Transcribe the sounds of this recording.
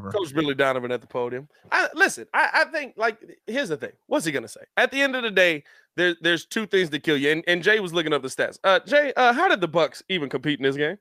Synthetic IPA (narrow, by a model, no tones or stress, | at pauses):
kʰoʊsɹɪlˠidãʊ̃nʌvɨ̃nɛt̪̚ðəpʰoʊɾiɨ̃m | ʔaɪlɪsɨ̃naɪʔaɪθɪ̃ŋk̚laɪk̚hɪzɨθɪ̰̃ŋwʌsiɡʌnəseɪɨt̪̚ðiɛ̃ndʌvðɨdeɪ | ðə˞ðə˞z̥tʰʉθɪ̃ŋzðɨt̚kʰɪlˠjɨɨ̃nʔɨ̃nd͡ʒeɪwʌzlʊkɪ̃ŋʌp̚ðɨstæ̰sʌd͡ʒeɪʔʌɦaʊɾɨd̪̚ðəbʌksivɨ̃nkʰɨ̃m̩piɾn̩ɪzɡẽɪ̃mm